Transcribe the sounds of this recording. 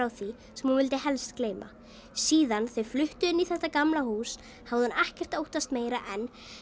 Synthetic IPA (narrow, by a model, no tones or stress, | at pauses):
awθi | sɛmhunvɪlt̪ɪhɛlst̪kleːjma̰ | siːðanθeɥflʏht̪ʏɪnːiθɛht̪ːakamlahuːs | havðɪhanɛhcɛr̥t̪owht̪ast̪meːjɾaʔɛn